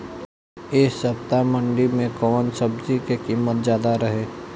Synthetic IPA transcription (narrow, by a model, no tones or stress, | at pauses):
eːsəpt̪amə̃ɳɖimẽkɔːnsəbd͡ʒikekiːmət̪̚zjaːd̪aɾəɦeː